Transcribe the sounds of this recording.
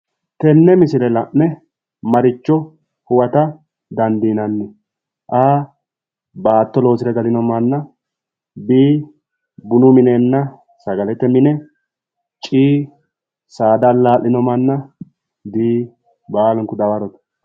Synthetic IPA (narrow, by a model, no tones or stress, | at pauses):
t̪ɛnːɛmɪsɪlɛlɐʔnɛ | mɐɾɪt͡ʃːɔ | hʊwɐt̪ɐ | d̪ɐnd̪iːnɐnːɛ | ʔaː | baːt̪ːɔlo̞ːsɪɾɐɡɐlɪnɔmɐnːɐ | biː | bʊnʊmɪneːnːɐ | sɐɡɐlɛt̪ːɛmɪnɛ | t͡ʃʼiː | saːd̪ɐlːaːlːɪnɔmɐnːɐ | d̪iː | baːlɔŋkʊd̪ɐwɐɾɔt̪ɐ̥